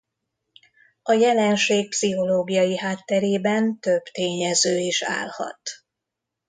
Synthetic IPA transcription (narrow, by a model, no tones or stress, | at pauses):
ɒjɛlɛnʃeːk̚psiɦo̞loːɡijɒjiɦaːt̪ːɛɾeːbɛnt̪øb̥t̪eːɲɛzøːiːʃa̰ːlhɒ̰t̪